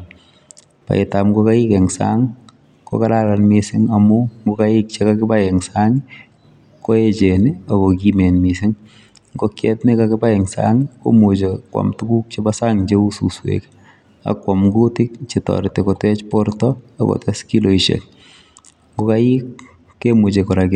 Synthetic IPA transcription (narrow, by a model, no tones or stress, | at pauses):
pa̰ɪtamɡɔkaɪkɛŋsa̰ŋ | kɔ̰kaɾalanmɪsɪŋamʊŋɡokaɪk̚t͡ʃekakɪbajɛŋsaŋɪ | kɔɛt͡ʃenɪakɔkimenmɪsɪŋ | ɡɔkjɛtnɪkakɪbaɛŋsa̰ŋɪko̰mot͡ʃekwɔ̰mtukuk̚t͡ʃebasaŋd͡ʒeususwḛk | a̰kwamɡutɪkt͡ʃɪtɔ̰ɾɪtekɔtɛt͡ʃpɔɾtɔakɔ̰tɛskiloiʃḛk | ŋɡokajɪkː | emut͡ʃekɔɾakɪ